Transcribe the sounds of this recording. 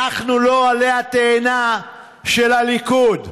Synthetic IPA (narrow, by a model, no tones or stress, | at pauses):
aχnulo̞aleat̪eːna | ʃelalikud̪